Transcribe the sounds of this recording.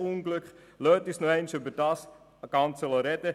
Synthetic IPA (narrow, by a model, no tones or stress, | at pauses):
unɡlʏkχ | løːtisnoɛɪnʃʏbəɾd̥ɑːs | ɡ̥ɑnt͡sələɾɛdə